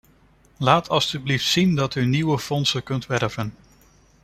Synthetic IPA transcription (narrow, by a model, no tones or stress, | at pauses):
laːtʰɑlˠstybliftsindɑtyniwəfɔnsəkɵntʋɛrvən